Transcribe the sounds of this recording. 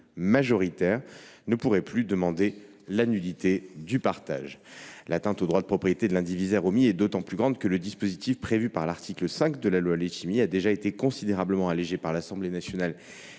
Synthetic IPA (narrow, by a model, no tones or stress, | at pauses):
maʒɔʁit̪ɛʁnəpuʁɛplyd̪əmɑ̃d̪e | lanylit̪ed̪ypaʁt̪a̰ʒlat̪ɛ̃t̪od̪ʁwad̪əpχɔpχijet̪ed̪əlɛ̃d̪ivizɛʁomiɛd̪ot̪ɑ̃plyɡʁɑ̃d̪kələd̪ispozit̪ifpχevypaʁlaʁt̪ʰikləsɛ̃kd̪əlalwaleʃimiad̪eʒaet̪ekɔ̃sid̪eʁabləmɑ̃aleʒepaʁlasɑ̃blenasjɔnal